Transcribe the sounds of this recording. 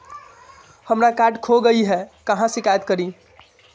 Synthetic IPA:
həmɾakaʈkʰoɡəiɦɛkəɦãsɪkajət̪kəɾi

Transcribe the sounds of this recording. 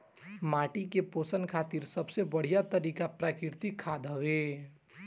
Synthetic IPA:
maːʈikepoːsənkʰaːt̪iːɾsəbsebəɽ̤ijat̪əɾiːkapɾakɪɾt̪ikʰad̪ɦəwe

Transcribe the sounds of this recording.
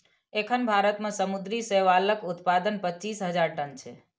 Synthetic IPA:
ekʰənbʱaɾət̪mẽsəmud̪ɾiseʋaləkut̪pad̪ənpəːt͡ʃisɦəd͡ʒaɾʈənt͡ʃʰḛ

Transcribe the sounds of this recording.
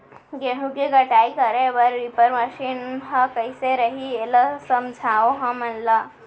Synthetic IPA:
ɡeɽũɡeɡəʈajkəɾeʋəɾʋipəɾməʃinɦə̃kəjseɾəɦieləsəmd͡ʒʱaʋoɦə̃mənlə

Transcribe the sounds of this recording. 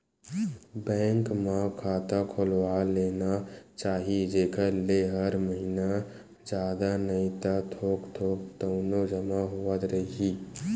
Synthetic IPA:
bɛ̃ːŋkmakʰaːt̪akʰolwaleːnat͡ʃaːɦid͡ʒeːkʰəɾleɦəɾməɦina | d͡ʒjaːd̪anəĩt̪at̪ʰoːkt̪ʰoːkt̪əʊnod͡ʒəmaɦuət̪ɾəɦi

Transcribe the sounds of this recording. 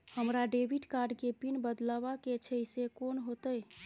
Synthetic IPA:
həmɾaɖebʱiɖkaɾɖkepinbəd̪labaket͡ʃʰəjsekonɦot̪əj

